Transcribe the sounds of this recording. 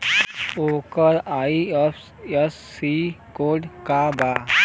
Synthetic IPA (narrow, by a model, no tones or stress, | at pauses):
oːkəɾaːief | esːikoːɖkabaː